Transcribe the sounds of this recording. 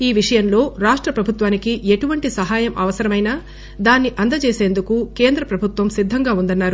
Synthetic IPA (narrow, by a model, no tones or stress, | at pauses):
iːʋiʂɐjɐmlo̞ːɾaːʂʈɾɐpɾɐbʱut̪ʋaːnikiʔeʈuʋɐɳʈisɐɦaːjɐmɐ̰ʋɐsɐɾɐmɐjna | d̪aːnːiʔɐnd̪ɐt͡ʃe̞ːse̞ːnd̪ukuke̞ːnd̪ɾɐpɾɐbʱut̪ʋɐmsid̪ʱːɐŋɡaːund̪ɐnːaːɾu